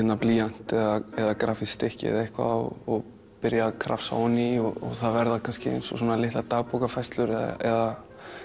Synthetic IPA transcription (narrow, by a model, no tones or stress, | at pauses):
ɛnːapliːan̥t̪ɛðaɛðakɾaːfit̪ɪhcɪ̰ðehkva̰ɔ̰ɔɣ | pɪɾjakʰɾa̰fsa̰nːiɔɔ̰ɣθaðvɛɾðakʰanscɪḛjnsɔsɔːnalɪht̪at̪aːɣpowkafajst̪lʏɾɛða̰ɛða